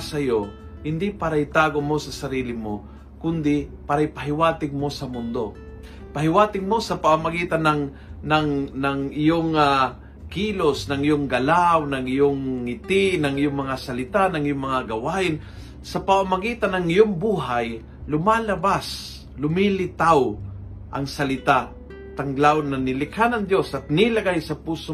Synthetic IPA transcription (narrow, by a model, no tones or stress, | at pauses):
sɐjo | hɪnd̪ɪpaɾajt̪aːɡomo̞sɐsɐɾiːlɪmo | kʊnd̪ɪpaɾajpɐɦɪwaːt̪ɪɡ̚mo̞sɐmʊnd̪o̞ | pɐɦɪwaːt̪ɪɡmo̞sɐpaamaɡiːt̪anaŋ | naŋnɐŋɪjoŋa | kiːlosnɐŋɪjoŋɡɐlawnɐŋɪjoŋːɪt̪ɪnɐŋɪjoŋmɐŋasɐlɪt̪anɐŋɪjoŋmɐŋaɡɐwaːʔɪn | sɐpaamɐɡiːt̪anɐŋɪjoŋbuːɦaj | lʊmaːlɐbas | lʊmilɪt̪aw | ʔɐ̰ŋsɐlɪt̪a | t̪ɐŋɡlawnɐnɪlɪkhanɐŋd̪jo̞sɐt̪̚nɪlɐɡajsɐpuːso